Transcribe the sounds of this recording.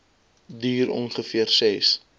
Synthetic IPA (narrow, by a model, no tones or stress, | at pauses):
diːɾɔ̰nχəfiərsɛs